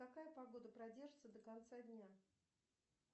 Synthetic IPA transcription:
kɐkajəpɐɡo̞d̪əpɾɐdʲe̞rʐɨt̪səd̪əkɐnt̪sadʲnʲa

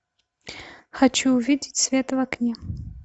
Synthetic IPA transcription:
xat͡ʃʰuːvʲidʲɪtʲsvʲet̪vaknʲe

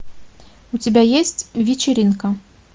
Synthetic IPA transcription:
ut͡sʲabʲajesʲt͡sʲvʲit͡ʃʲɪɾʲinkɐ

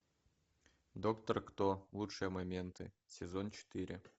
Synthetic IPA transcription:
d̪okt̪ərkt̪olˠutʂɨjəmɐmʲent̪ɨ̰ | sʲɪzont͡ɕɪ̥t̪ɨɾʲɪ̰

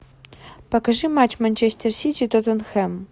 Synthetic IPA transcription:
pɐkɐʐɨmat͡ɕmɐnʲt͡ɕesʲt̪ʲersʲitʲit̪ot̪ɐnxɛm

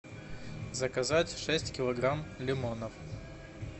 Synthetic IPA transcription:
zəkɐzatʲʂɛsʲtʲkʲɪlˠɐɡɾamlʲɪmonəf

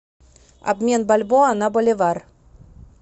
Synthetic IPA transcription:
a̰bmʲenbalʲboɑnɑbolʲevɑr

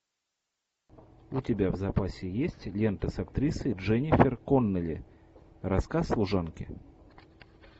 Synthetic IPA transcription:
ʊtʲɪbʲavzɐpasʲɪjesʲtʲlʲe̞nt̪əsɐkt̪ɾʲisɨʐɛnʲɪfʲɪrkonːəlʲɪ̰ | rɐskaslˠʊʐankʲɪ̰

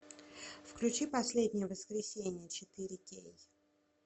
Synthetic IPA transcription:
fklʲʉt͡ɕipɐsʲlʲed̪ʲnʲɪjəvəskɾʲɪsʲenʲɪjət͡ɕɪt̪ɨɾʲɪkʲḛj

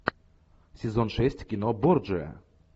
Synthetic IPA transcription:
sʲɛzɔnʂɛsʲt͡ɕʲkʲinɔbɔɾd͡ʒɛ

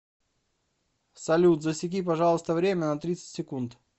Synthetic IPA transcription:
sɐlʲut̪zəsʲɪkʲip̬ɐʐɑlˠəst̪əvɾʲemʲənɐt̪ɾʲit̪sɨ̥tʲsʲɪkunt̪

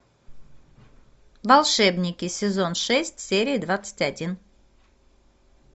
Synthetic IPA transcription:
valˠʂɛbnʲɪkʲɪsʲɪzonʂɛsʲtʲsʲeɾʲijd̪vat̪sɨ̥tʲad̪ʲin

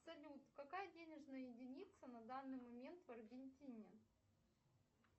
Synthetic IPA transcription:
ɐsɐlʲut̪kɐkajədʲenʲɪʐnəjəjɪdʲɪnʲit̪sənɐd̪anːɨjmɐmʲe̞nt̪vɐrɡʲɪnʲtʲinʲɪ

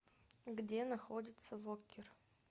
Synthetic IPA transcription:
ɡdʲenɐxodʲɪt̪səvokʲɪr

